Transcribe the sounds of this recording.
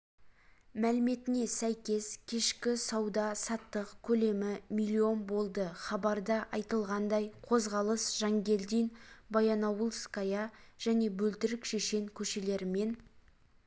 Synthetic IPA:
mælɪme̞t̪ɪne̞sæjkʲe̞skʲʰe̞ʃkʲɪsɑwd̪ɑsɑt̪ːəqkʲʰɵle̞mɪmilʲːio̞nbo̞lˠd̪əχɑbɑɾd̪ɑʔɑjt̪əlˠʁɑnd̪ɑjqʰo̞zʁɑlˠəsʒ̥ɑŋɡʲe̞ld̪ijnbɑjɑnɑwəlˠskajɑʒ̥æne̞bɵlt̪ɪɾɪkʃe̞ʃe̞ŋkʲʰɵʃe̞le̞ɾɪme̞n

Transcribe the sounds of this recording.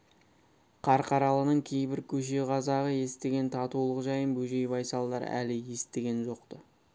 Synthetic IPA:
qʰɑɾqʰɑɾɑlˠənəɴkʲʰe̞jbɪɾkʲʰɵʃ̬e̞ʁɑzɑʁəje̞st̪e̞ɡʲe̞nt̪ʰɑt̪ulˠəʁʒɑjənbɵʒe̞jbɑjsɑlˠd̪ɑɾ̰æ̰lɪje̞st̪eɡʲe̞nʒo̞q̚t̪ə

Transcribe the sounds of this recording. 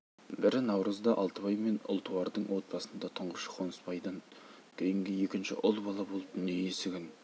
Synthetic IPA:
bɪɾɪnɑwɾəzd̪ɑʔɑlˠt̪əbɑjme̞nʊ̰lˠt̪ʰuwɑɾd̪əɴwo̞t̪̚pɑsənd̪ɑt̪ʰəɴʁəʃə̥qʰonəspɑjd̪əɴ | kʲʰe̞jɪŋɡʲɪe̞kʲɪnʃɪ̰ʔʊlˠbɑlˠɑbo̞lˠəp̚nejesɪɡʲɪn

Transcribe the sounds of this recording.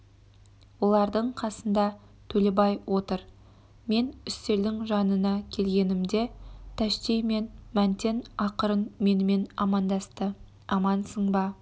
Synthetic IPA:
wo̞lˠɑɾd̪əɴqʰɑsənd̪ɑ | t̪ʰɵlebɑjwʔo̞t̪əɾ | me̞nʏst̪e̞ɾd̪ɪŋʒɑnənɑkʲʰe̞lɡʲe̞nɪmd̪e̞t̪ʰæʃt̪ejme̞nmænt̪e̞nɑqəɾənme̞nɪme̞nɑmɑnd̪ɑst̪ə | ɑmɑnsəɴbɑ

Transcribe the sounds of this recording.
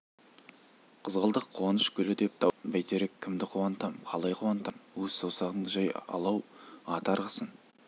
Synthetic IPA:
qʰəzʁəlˠd̪əqʰːuɑnəʃkʲʰʏlɪd̪e̞p̚t̪ʰɑbæjt̪e̞ɾekʲʰːɪmd̪ɪqʰuɑnt̪ɑmqʰɑlˠɑjqʰuwɑnt̪ɑmwɵzsowsɑʁənd̪əʒɑjɑ̰lˠɑwɑt̪ɑɾʁəsən

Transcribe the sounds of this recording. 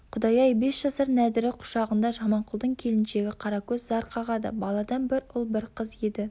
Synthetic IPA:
qʰʊd̪ɑjɑjbe̞sʒ̥ɑsɑɾnæd̪ɪɾɪqʰʊ̥ʃɑʁənd̪ɑʒɑmɑɴqʰʊlˠd̪əɴkʲʰe̞lɪnʃe̞ɡʲɪqʰɑɾɑkʲʰɵzzɑɾqʰɑʁɑd̪ə̰bɑlˠɑd̪ɑnbɪɾʊlˠbɪɾqʰəzje̞d̪ɪ

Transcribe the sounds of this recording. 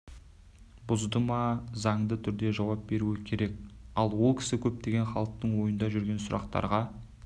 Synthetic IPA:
bʊzd̪əmɑzɑɴd̪ət̪ʰʏɾd̪e̞ʒɑwɑp̚be̞ɾuɪkʲʰe̞ɾe̞k̚ɑlˠwo̞lˠkʲɪ̥sɪkʲʰɵp̚t̪e̞ɡʲe̞nχɑlˠəq̚t̪əɴwo̞jənd̪ɑʒʏɾɡʲe̞nsʊɾɑ̰qt̪ɑ̰ɾʁɑ

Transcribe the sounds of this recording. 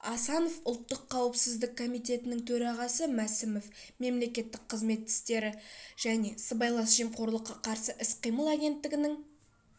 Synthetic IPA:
ɑsɑno̞fʊlˠt̪ːəqʰːɑwəpsɪzd̪ɪk̚ʰːo̞mijt̪e̞t̪ɪnɪŋt̪ʰɵɾɑʁɑsəmæsɪmof | me̞mle̞kʲe̞t̪ːɪk̚qʰːəzme̞t̪ːɪ̥st̪e̞ɾɪʒ̥æne̞səbɑjlˠɑsʒ̥emqʰo̞ɾlˠəqːɑqʰɑɾsəʔɪsqʰijməlˠaɡʲe̞nt̪ːɪɡʲɪnɪŋ

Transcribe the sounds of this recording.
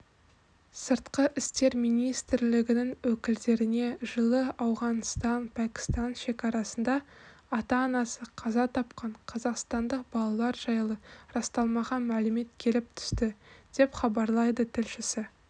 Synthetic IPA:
səɾt̪qəʔɪst̪e̞ɾmijnijst̪ɾlɪɡʲɪnɪŋwɵkʲɪld̪e̞ɾɪne̞ʒəlˠəɑwʁɑnst̪ɑnpʰækʲɪ̥st̪ɑnʃe̞kʲɑɾɑsənd̪ɑː | t̪ɑːnɑsəqʰɑzɑt̪ʰɑpqɑɴqʰɑzɑqst̪ɑnd̪əq̚bɑlˠɑlˠɑɾʒɑjlˠəɾɑst̪ɑlˠmɑʁɑmælɪme̞t̪kʲʰe̞lɪp̚t̪ʰʏ̥st̪ɪd̪̥e̞pχɑbɑɾlˠɑjd̪ət̪ʰɪlʃɪsɪ

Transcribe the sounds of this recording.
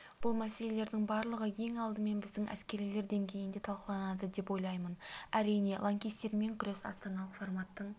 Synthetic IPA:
b̥ʊlˠmæse̞le̞le̞ɾd̪ɪŋbɑɾlˠəʁəjʰe̞ŋɑlˠd̪əme̞nbɪzd̪ɪŋæ̰skʲe̞ɾile̞ɾd̪e̞ŋkʲʰe̞jɪnd̪et̪ʰɑlˠqəlˠɑnɑd̪əd̪e̞pwo̞jlˠɑjmənæɾijne̞lˠaŋkʲijst̪e̞ɾme̞ŋkʲʰʏɾe̞sɑ̰st̪ɑnɑlˠəqformɑt̪ːəɴ

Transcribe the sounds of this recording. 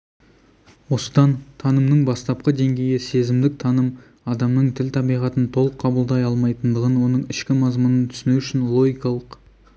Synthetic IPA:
wo̞sə̥d̪ɑnt̪ʰɑnəmnəɴbɑst̪ɑp̚qəd̪e̞ŋɡʲe̞jɪse̞zɪmd̪ɪk̚t̪ʰɑnəm | ɑd̪ɑmnəɴt̪ʰɪlt̪ʰɑbijʁɑt̪ənt̪ʰo̞lˠəqʰːɑbəlˠd̪ɑjɑlˠmɑjt̪ənd̪əʁənwo̞nəɴɪʃkʲɪmɑzmʊnənt̪ʰʏ̥sɪnewʏʃɪnlˠo̞ɡʲijkɑlˠəq

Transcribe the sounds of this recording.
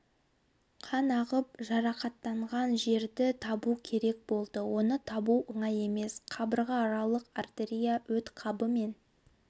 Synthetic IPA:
qʰɑnɑʁəp̚ʒɑɾɑqɑt̪ːɑɴʁɑnʒe̞ɾd̪ɪt̪ʰɑbukʲʰe̞ɾe̞k̚bo̞lˠd̪əwo̞nət̪ʰɑbuʔəɴɑje̞me̞sqʰɑbəɾʁɑɑɾɑlˠəqart̪eɾʲijawɵt̪qʰɑbəme̞n

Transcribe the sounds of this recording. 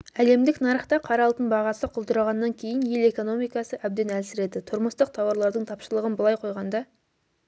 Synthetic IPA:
æle̞md̪ɪknɑɾəχt̪ɑqʰɑɾɑlˠt̪ənbɑʁɑsəqʰʊlˠd̪əɾɑʁɑnːɑŋkʲʰe̞jɪnje̞le̞ko̞no̞mijkɑsəʔæb̚d̪enælsɪɾe̞d̪ɪt̪ʰʊɾməst̪əq̚t̪ʰɑwɑɾlˠɑɾd̪əɴt̪ʰɑpʃəlˠəʁənbəlˠɑjqʰo̞jʁɑnd̪ɑ

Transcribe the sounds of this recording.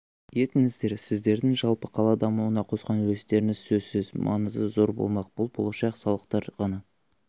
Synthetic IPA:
je̞t̪ɪŋɪzd̪e̞ɾsɪzd̪e̞ɾd̪ɪŋʒɑlˠpəqʰɑlˠɑd̪ɑmuuənɑqʰo̞sqɑnwɵst̪e̞ɾɪŋɪz̥sɵzsɪzmʔɑ̰nəzd̪əzo̞ɾbo̰lˠmɑq̚b̥ʊlˠbo̞lˠɑʃɑqsɑlˠəqt̪ɑɾʁɑnɑ

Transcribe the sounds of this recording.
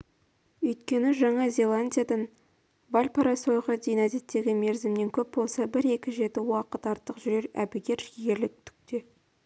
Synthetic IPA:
ɵjt̪kʲe̞nɪʒɑɴɑzʲe̞lˠanʲdʲijad̪ɑn | bɑlʲpɑɾɑso̞jʁəd̪ejnæze̞t̪ːe̞ɡʲɪme̞ɾzɪmne̞ŋkʲʰɵp̚bo̞lˠsɑbɪɾe̞kʲɪʒe̞t̪ɪwɑqət̪ɑɾt̪ːəqʒʏɾe̞ɾæ̰bɪɡʲe̞ɾʃɡʲe̞ɾlɪk̚t̪ʰʏ̥k̚t̪e̞

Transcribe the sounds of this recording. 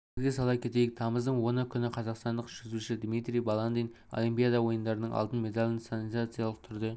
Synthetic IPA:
zɡʲesɑlˠɑp̚kʲʰe̞t̪e̞jɪk̚t̪ʰɑməzd̪əɴwo̞nəkʲʰʏnɪqʰɑzɑqst̪ɑnd̪əqʒ̥ʏzuʃɪd̪mit̪ɾʲijbɑlˠand̪ijn | o̰limpʲijad̪ɑwo̞jənd̪ɑɾənəɴɑ̰lˠt̪ənmʲe̞d̪alʲɪnsanizat̪sɨjalˠəq̚t̪ʰʏɾd̪e

